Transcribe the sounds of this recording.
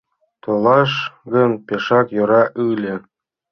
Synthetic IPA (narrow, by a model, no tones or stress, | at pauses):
t̪ɤ̆lˠɑʃɡɤ̆npʲeʃɑkjŏɾɑʔɯlʲɘ̆